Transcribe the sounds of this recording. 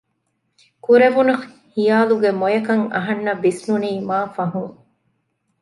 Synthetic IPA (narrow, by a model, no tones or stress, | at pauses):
kuɾeʋunɐx | hijaːluɡemojɐkɐŋɐ̰ɦɐnːɐbisnuniːmaːfɐɦuŋ